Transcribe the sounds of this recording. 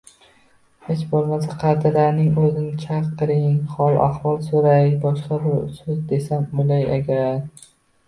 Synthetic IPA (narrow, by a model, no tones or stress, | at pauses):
het͡ʃbolˠmas̬aqʰɑɾd̪ɪlaɾnɪŋɵzɪnɪt͡ʃʰaɾqʰːɨɾɪŋχɒlˠʔa̰hvɒlˠsoɾajbɒʃqɑbɪɾsɵzd̪e̞samojlaja̰ɡʲaɾ